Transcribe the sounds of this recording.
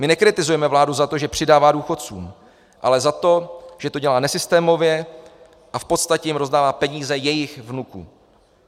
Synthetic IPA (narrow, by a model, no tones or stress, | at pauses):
mɪnɛkɾɪt̪ɪzujɛmɛvlaːduzat̪o̞ʒɛpr̝̥ɪdaːvaːduːxo̞t̪t͡sṵːm | ʔa̰lɛzat̪o̞ʒ̥ɛt̪o̞ɟɛlaːnɛsɪst̪ɛːmo̞vjɛ | ʔafpo̞t̪st̪acɛjimɾo̞zdaːvaːpɛɲiːzɛjɛjɪxvnukṵ